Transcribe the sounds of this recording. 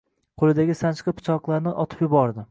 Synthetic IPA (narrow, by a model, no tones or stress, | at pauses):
qʰolˠɪd̪aɡʲɪsant͡ʃqɨpʰʊ̥t͡ʃʰɒqlˠaɾnɪʔɒt̪ʰɪ̥pjʊbɒɾd̪ɪ